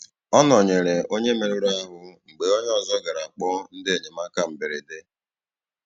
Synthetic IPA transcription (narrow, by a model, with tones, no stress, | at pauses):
ɔ˦nɔ˨ɲe˨ɾe˨o˦ɲe˦me˨ɾo˦ɾa˦ɦʊ˦ŋ͡m̩˨ɡ͡be˨o˦ɲe˦ɔ˦zɔ˦ɡa˨ɾa˨k͡pɔ˦n̩˦dɪ˦e˨ɲe˨ma˦ka˨m̩˨bɪ˨ɾe˨de˦